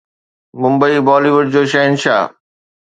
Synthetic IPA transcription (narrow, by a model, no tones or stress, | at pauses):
mʊ̃mbəibɔːliʋʊɖ̚d͡ʑoːʃɐɦɪnʃa̰ː